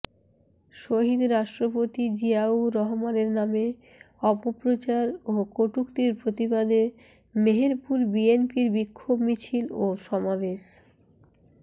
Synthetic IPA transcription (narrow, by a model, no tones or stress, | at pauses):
ʃoɦid̪ɾaʃʈɾopot̪id͡ʑiauɾɔɦomaneɾname | ɔpopɾot͡ɕaɾokoʈukt̪iɾpɾot̪ibad̪e | meɦeɾpuɾbienpiɾbikʰːobmit͡ɕʰiloʃɔmabeʃ